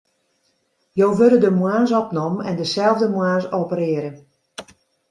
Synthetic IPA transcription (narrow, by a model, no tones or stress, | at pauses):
joːʋølədəmwaːnsɔpnɔmɛ̰ndəsɛlˠvdəmwaːnsoːpəɾɪːəɾən